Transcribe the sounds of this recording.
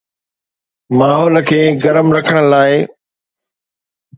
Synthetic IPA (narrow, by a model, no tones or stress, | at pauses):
maːɦɔːlkʰeːɡɐɾəmɾɐkʰəɽ̃əlaːɪ